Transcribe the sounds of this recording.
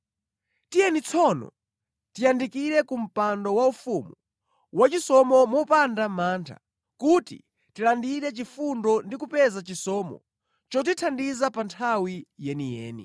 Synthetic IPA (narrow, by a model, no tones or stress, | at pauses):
tijɛnit͡sʰɔnɔ̰ | tijandikiɾɛkum̩pandɔwaufumu | wat͡ʃisɔmɔmɔpandamaːntʰa̰ | kutḭ | tilandiɾɛt͡ʃifundɔndikupɛzat͡ʃisɔːmɔ̰ | t͡ʃɔt̬itʰandizapantʰawijɛnijɛ̰ːnḭ